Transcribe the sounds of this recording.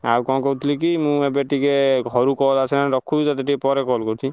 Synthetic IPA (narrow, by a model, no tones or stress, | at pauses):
alkɔ̃kɔut̪ʰlik̬imũebeʈikeɡʱɔɾukɔlasʰɛnaɾɔkʰːuut̪at̪eʈipɔɾekɔlkɔwt̪ʰi